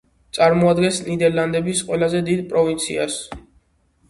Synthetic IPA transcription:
t̪sʼaɾmɔad̪ɡɛnsnid̪ɛɾland̪ɛbisqʼwɛlazɛd̪id̪pʼɾɔvint̪sʰia̰s

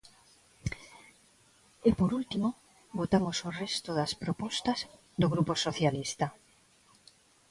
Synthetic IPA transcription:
ɪpoɾult̪imo | bot̪amosorɛst̪oðaspɾopɔst̪ɐz | d̪oɣɾuposoθjalist̪a

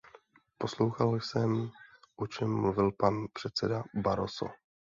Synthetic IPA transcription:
po̞slo̞wxalsɛmʔot͡ʃɛmːluvɪlpanpr̥ɛt̪t͡sɛdabaɾoso̰

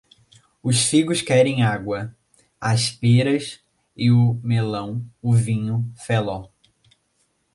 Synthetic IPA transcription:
ʊsfiɡʊskɛɾẽj̃aɡwɐ | ɐspeɾɐs | ɪʊmelɐ̃w̃ʊvĩɲʊfelɔ

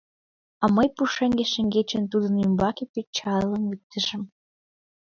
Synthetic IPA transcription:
ɑməjpuʃeŋɡeʃə̆ŋɡet͡ɕə̆nt̪ud̪ə̆nymbɑkepet͡ɕɑləmyt̪ːə̆ʒə̆m

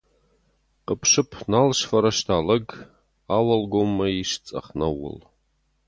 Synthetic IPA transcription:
qəpʰʂɨpʰnalʂfɐɾɐʂtʰalɐɡ | awɐlɡʷomːɐiʂt͡sʼɐ̰χnɐwʊ̰l

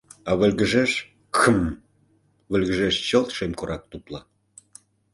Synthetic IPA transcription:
ɑβə̆lɣə̆ʒeʃ | kʰəm | βə̆lɣəʒeʃt͡ɕəlt̪ʃemkoɾʔɑk̚t̪uplɑ

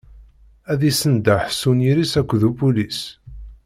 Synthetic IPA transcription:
æðisənd̪aħsuniɾisækʷːðubulis

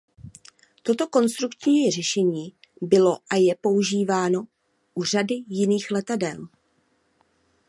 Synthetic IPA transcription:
t̪o̞t̪o̞ko̞nst̪ɾukt͡ʃijir̝ɛʃɛɲiː | bɪlo̞ʔajɛpo̞uʒiːvaːno̞ | ʔur̝adɪjɪniːxlɛt̪adɛl

